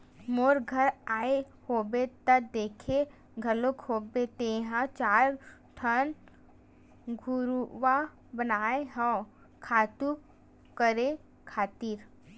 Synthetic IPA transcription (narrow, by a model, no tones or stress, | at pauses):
moːɾɡʱəɾaːe | hoːbet̪əd̪eːkʰe | ɡʱəɾlokʰhoːbet̪eɦãt͡ʃaːɾʈʰən | ɡʱuɾuʋa | bənaːeɦɔ̃ | kʰaːt̪u | kəɾe | kʰaːt̪iːɾ